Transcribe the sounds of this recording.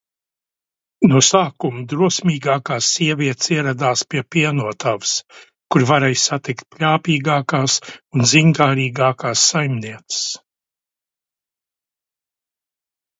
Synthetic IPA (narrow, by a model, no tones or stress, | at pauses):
nusaːkumd̪ɾuɔsmʲiːɡaːkaːsːiɛvʲiɛt̪siɛɾad̪aːspiɛpiɛnuɔt̪avs | kuɾvaɾɛjssat̪ikt̪̚pʲlʲaːpiːɡaːkaːsunziŋkaːɾiːɡaːkaːsːajmniɛt̪sɨ̥s